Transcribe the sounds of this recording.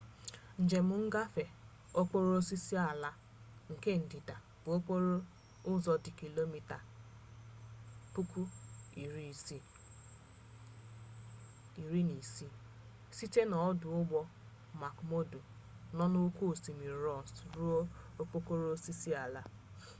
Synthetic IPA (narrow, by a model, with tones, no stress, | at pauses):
n̩˨d͡ʒe˨mʊ˨˦ŋ̩˦ɡa˦fe˨ | o˦k͡po˦ɾo˦si˦si˦a˨la˦ | ŋ̩˨ke˦n̩˨dɪ˨da˨ | b̥u˨o˦k͡po˦ɾo˦ | ʊ˦zɔ˨dɪ˨ki˨lo˦mi˦ta˨ | pu˦ku˦i˨ɾi˦˨si˦ | i˨ɾi˦ni˨si˦ | si˦te˦nɔ˨ɔ˦dʊ˨˦ʊ˦ɡ͡bɔ˦ | ma˨kmo˦du˨ | nɔ˦no˦ku˦˨si˨mi˨ɾɔ˦˨n˨sɾu˦o˦k͡po˦ko˦ɾo˦si˦si˦a˨la˦